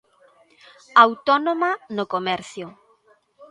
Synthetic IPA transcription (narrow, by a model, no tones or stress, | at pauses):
awt̪ɔnomanʊkomɛɾθjʊ